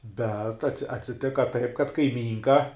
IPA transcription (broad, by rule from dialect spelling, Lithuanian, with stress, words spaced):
bʲɛt ɐtʲsʲɪ ɐtʲsʲɪˈtʲɪkɐ tɐɪp kɐt kɐɪˈmʲiːŋkɐ